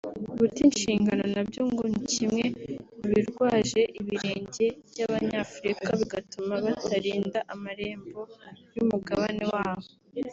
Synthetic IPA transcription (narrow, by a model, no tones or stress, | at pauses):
βutinʃiːŋɡano̞nabjoŋɡonicimŋe̞uβiɾɡwaːʒe̞ʔiβiɾe̞ːɲɟe̞bjaβaɲafuɾikaβiɡatumaβataɾiːndaʔamaɾe̞ːmbo̞jumuɡaβane̞waːβo